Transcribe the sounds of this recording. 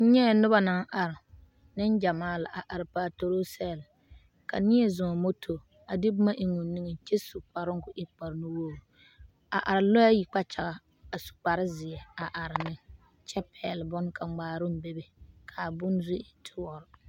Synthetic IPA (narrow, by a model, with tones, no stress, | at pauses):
n̩˦ɲɛ˦˨nʊ˦ba˦naː˦ʔa˨ɾɪ˨ | nɪ˦nd͡ʒa˨maː˦la˨ʔa˨ʔa˨ɾɪ˨paː˨to˨ɾo˦sɛː˦˨l | ka˨nɪ˦ɛ˦zʊ˨mo˦tʰo˨ | a˨dɪ˦bʊ˦ma˦ʔɪ˨ŋʊ˨ni˦ŋɛ˨t͡ʃɛ˦su˨k͡pa˨ɾɪ˦ŋ˦kʊ˨ʔɪ˦k͡pa˨ɾnʊ˦woː˦˨ | a̰˨ʔa˨ɾɪ˨lɔ˦a˦ji˨k͡pa˦t͡ʃa˨ɣa˨ | a˨su̥˨k͡pa˨ɾɪ˦zɪ˨ɛ˨a˨ʔa˨ɾɪ˨nɪ˦ | t͡ʃɛ˦pʰɛ̰˨lbɔ˦nkʰa˨ŋ͡maː˨ɾʊ˦m˦be˦be˨kʰa˨bʊ˦nzʊ˦ɛ˨tʰɪ˦wɔ˨ɾɪ˨